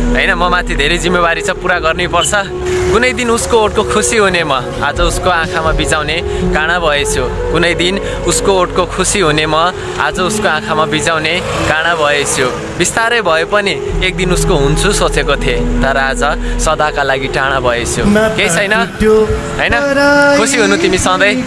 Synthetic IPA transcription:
ɦʌjnʌmʌmat̪ʰid̪ʱeɾʌjd͡zimːebaɾit͡sʰʌ̃puɾaɡʌrnepʌrt͡sʰʌ | kunʌjd̪inuskooʈ̚kokʰusiɦunemʌ | ad͡zʌuskoãkʰamabid͡zawnekaɽ̃abʱʌet͡sʰu | kunʌjd̪in | uskooʈkokʰusiɦunemʌ | ad͡zʌuskoãkʰamabid͡zawnekaɽ̃abʱʌet͡sʰjo | bist̪aɾʌbʱʌjopʌni | ek̚d̪inuskoɦunt͡sʰusot͡sekot̪ʰjet̪ʌɾʌad͡zʌsʌd̪akalaɡiʈaɽ̃abʱʌet͡sʰjokejt͡sʰʌjnʌ | ɦʌjnʌkʰusiɦunut̪imisʌd̪ʌj

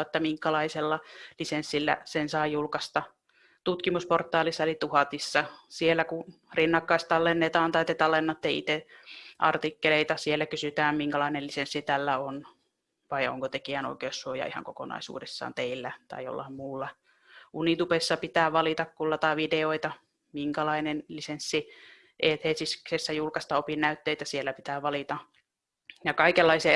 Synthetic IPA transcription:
et̪ːæmiŋkɑlɑiselːɑlisensːilːæ̰sensɑijjulkɑst̪ɑ | t̪ut̪kimusport̪ːˑɑːlisːɑelit̪uhɑt̪isːɑsielːˑæku | rinːɑkːɑist̪ɑlːenːet̪ɑːnt̪ɑit̪ːet̪ɑlːenːɑt̪ːeiḭt̪eʔɑ̰rt̪ikːeleit̪ɑsielːækysyt̪æːmmiŋkælɑinelisensːit̪ælːæon | ʋɑio̰ŋkot̪ekiæno̰ikeːssuojɑ̰ihɑ̰ŋkoko̰nɑ̰isṵːdesːɑ̰ːnt̪eilːæt̪ɑ̰ijo̰lːɑhmmuːlːɑ | ʔunit̪upesːɑpit̪æːʋɑlit̪ɑkkulːɑt̪ɑiʋideoit̪ɑ | miŋkɑlɑinenlisensːi | ʔeːt̪heːsisksesːæjulkɑst̪ɑopinnæyt̪ːeit̪æsielːæpit̪æːʋɑlit̪ɑ | jɑkɑikelːɑiseː

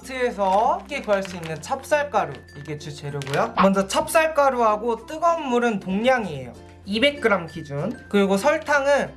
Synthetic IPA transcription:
sʰees̬ʰʌk͈ekʌɭs͈uinːɯnt͡ɕʰap̚s͈aɭk͈aɾu | iɡet͡ɕʰɯt͡ɕe̞ɾjoɡojomʌnd͡ʑʌt͡ɕʰap̚s͈aɭk͈aɾuɦaɡot͈ɯɡʌmːuɾɯntoŋɲaŋie̞̰jo̰ | ibe̞k̚k͈ɯɾamkid͡ʑunkɯɾiɡosʰʌɭtʰaŋɯn

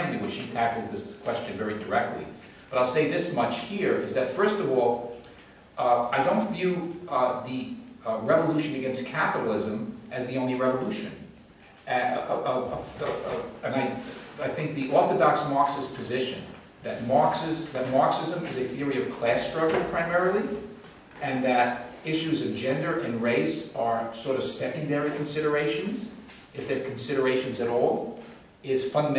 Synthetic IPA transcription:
nliwɨt͡ʃʃitʰækl̩ˠzðɪskʰw̥ɛst͡ʃɨ̃nvɛɹidə˞ɛk̚tˡlḭ | b̥ʌɾaɪlˠseɪðɪsmʌt͡ʃhiɹɨ̰zðɨtfɜ˞stʌvɔlˠ | aɪdõʊ̃ntvjʉðɨɹɛvəluʃɨ̃nɨɡɛ̃nskʰæpəɾl̩ˠɪzɨ̃mʔɨzðiõʊ̃nliɹɛvəluʃɨ̰̃n | ɨ̃naɪaɪθɪ̃ŋk̚ðiʔɔɹθɨdɑksmɑɹksɨspʰɨzɪʃɨ̰̃n | ðɨt̚mɑɹksɨzðɨt̚mɑɹksɪzə̃mɨzɨθɪɹiʌv̥kʰl̥æstɹ̥ʌɡl̩ˠpʰɹ̥aɪmɛɹəl̩ˠi | ɨ̃nðɨɾɪʃʉzʌvd͡ʒɛ̃ndə˞ʔɨ̃nɹeɪsə˞sɔɹɾʌv̥sɛkɨ̃ndɛɹikʰn̩sɪɾə˞eɪʃɨ̃nz | ɨfðə˞kʰn̩sɪɾə˞eɪʃɨ̃n̩zɨɾɔlˠ | ɪz̥fʌ̃ndəm

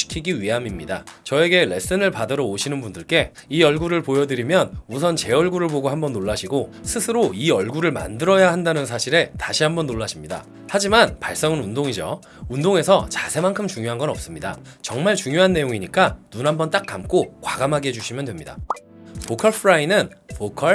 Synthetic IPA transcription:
i̥kʰiɡiɥiɦamimɲida̰t͡ɕʌe̞ɡe̞le̞̰s͈ɯnɯɭpadʌɾʌoɕʰinɯnbundɯɭk͈e̞iʌɭɡuɾɯɭpojʌdɯɾimjʌnusʰʌnt͡ɕe̞ʌɭɡuɾɯɭboɡoɦambʌnːoɭːaɕʰiɡosʰɯsʰɯɾoiʌɭɡuɾɯɭma̰ndɯɾʌjahandanɯnsʰaɕʰiɾe̞taɕʰiɦambʌnːoɭːaɕʰimɲida̰ | had͡ʑimanpaɭs͈ʌŋɯnundoŋid͡ʑo̰ | undoŋe̞sʰʌt͡ɕasʰe̞mankʰɯmt͡ɕuŋjoɦanɡʌnʌp̚s͈ɯmɲida̰ | t͡ɕʌŋmaɭt͡ɕuŋjoɦanːe̞joŋiɲik͈anunɦambʌnt͈ak̚k͈amk͈okwaɡamɦaɡed͡ʑuɕʰimjʌndwe̞mɲida̰ | pokʰʌɭpʰɯɾainɯnpokʰʌ

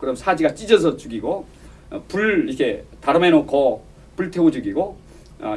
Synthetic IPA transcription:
kɯɾʌmnsʰad͡ʑiɡat͡ɕ͈id͡ʑʌsʰʌt͡ɕuɡiɡo | puɭikʰetaɾɯmenokʌ | puɭtʰeod͡ʑɯɡiɡo | ʌ̰

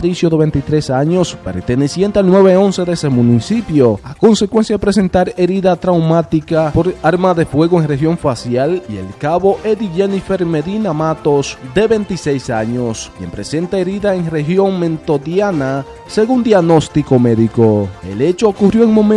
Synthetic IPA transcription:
ɾisjo̞ðe̞βe̞nt̪it̪ɾe̞saɲo̞spe̞̰ɾt̪e̞ne̞sje̞nt̪ealnwe̞βeo̞nse̞ðesemũnisipjo̞a̰ko̞nse̞kwe̞nsjaðepɾe̞se̞nt̪aɾe̞ɾiðat̪ɾawmat̪ikapo̞ɾaɾmaðe̞fwe̞ɣoeŋre̞xjo̞ɱfasjalie̞̰lkaβo̞ʔe̞ðiʝenifeɾmeðinamat̪osd̪e̞βe̞nt̪ise̞jsaɲo̞skje̞̰mpɾe̞̰se̞nt̪aeɾiðaeŋre̞xjo̞ŋmẽ̞nt̪o̞ðjana | se̞ɣund̪jaɡno̞st̪iko̞me̞ðikoe̞̰le̞t͡ʃookurjoeŋmõ̞mẽ

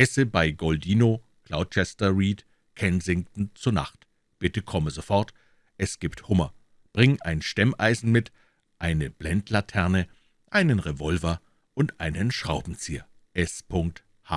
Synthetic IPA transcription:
ʔɛsəbaɪɡɔldiːno | kl̥aʊt̚t͡ʃɛstɐʁiːt | kʰɛnzɪŋtn̩t͡suːɐna̰χt | b̥ɪtəkʰɔməzofɔɐt | ʔɛsɡ̥iːpthʊmɐ | b̥ʁɪŋʔaɪnʃtɛmʔa̰ɪzn̩mɪt | ʔaɪnəb̥lɛntʰlatʰɛɐnə | ʔaɪnənʁevɔlvɐ | ʔʊntʔa̰ɪnənʃʁ̥aʊbm̩t͡siːɐ | ʔɛspʰʊŋk̚t | ha̰ː

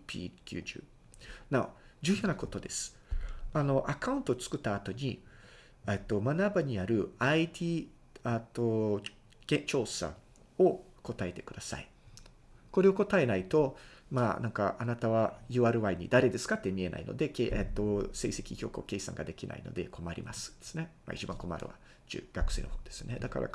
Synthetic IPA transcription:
pʲḭːkʲɨ̰ːd͡ʑɨ̰ː | na̰d͡ʑɨːjo̞ːnako̞t̪o̞d̪e̞sɨ̥ | ano̞ʔakaɯ̃nt̪o̞ːt͡sɨ̥kɯ̟t̪ːaːt̪o̞ɲ̟i | et̪ːo̞manabaɲ̟iaɾɯ̟ait̪ʲiː | at̪ːo̞ | ɡ̥ẽ̞t͡ɕo̞ːsa̰ | o̞ | ko̞t̪ae̞t̪e̞kɯ̟d̪asa̰ḭ | ko̞ɾe̞o̞ko̞t̪ae̞nait̪o̞maːnãŋka̰ʔanat̪aβajɯ̟ːaːɾɯ̟βaiɲ̟id̪aɾe̞d̪e̞sɨ̥kat̪ːe̞mʲie̞na̰ḭno̞̰d̪e̞keʔet̪ːo̞se̞̰ːse̞kʲiçʲo̞ːkɯoke̞ːsã̰ŋɡad̪e̞kʲinʔa̰ḭno̞̰d̪e̞̰kʰo̞maɾʲḭmʔasɨ̥d̪̥esɨ̥ne̞ma̰it͡ɕibã̰ŋko̞ma̰ɾɯ̟̰βa̰ | d͡ʑɨ̰ɡakɯ̟se̞ːnohoːd̪̥e̞sɨne̞d̪aka̰ɾa̰

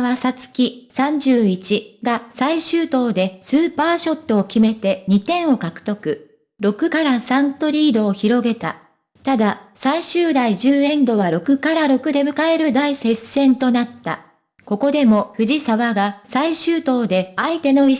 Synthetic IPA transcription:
βasat͡sɨ̥kʲisãɲ̟d͡ʑɨːit͡ɕiɡasaiɕɨːt̪o̞ːd̪e̞sɨːpaːɕo̞t̪ːo̞ːkʲime̞t̪e̞ɲ̟it̪ẽ̞ɰ̃o̞kakɯ̟̥t̪o̞kɯ̟ | ɾo̞kɯ̟kaɾasãnt̪o̞ɾʲiːd̪o̞ːçiɾo̞ɡe̞t̪a̰ | t̪ad̪asaiɕɨːd̪aiʑɨːẽ̞nd̪o̞βaɾo̞kɯ̟kaɾaɾo̞kɯ̟d̪e̞bɯ̟kae̞ɾɯ̟d̪aise̞sẽ̞nt̪o̞nat̪ːa̰ | ko̞ko̞d̪e̞mo̞ɸɯ̟ʑisaβaɡasaiɕɨːt̪o̞ːd̪e̞ait̪e̞no̞i

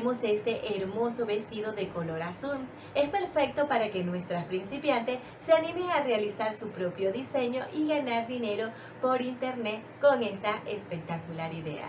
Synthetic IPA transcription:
mo̞se̞st̪e̞ʔeɾmo̞soβe̞st̪iðo̞ðe̞ko̞lo̞ɾasum | e̞spe̞ɾfe̞k̚t̪o̞paɾake̞nwe̞st̪ɾaspɾinsipjant̪e̞s | seanimeŋarealisaɾsupɾo̞pjo̞ðise̞ɲo̞ʔiɣanaɾðine̞ɾo̞ | po̞ɾint̪e̞ɾnet̪ko̞ŋe̞st̪aʔespe̞k̚t̪akulaɾiðe̞̰a̰

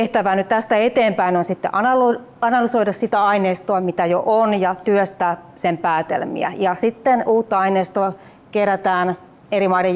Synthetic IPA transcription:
eht̪æʋæːnyt̪t̪æst̪æet̪eːmpæinonsit̪ːḛʔɑnɑlo | ɑnɑlysoidɑssit̪æɑineːst̪oɑmit̪æjoʔonjɑt̪yøst̪æsempæːt̪ḛlmḭæ̰jɑsit̪ːenuːt̪ːɑɑineːst̪oɑ | keræt̪æːn | erimɑiɾe

